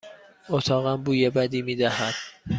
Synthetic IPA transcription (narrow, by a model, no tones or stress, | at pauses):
ot̪ʰɒːɣæmbuːjebæd̪iːmiːd̪æhæd̪̥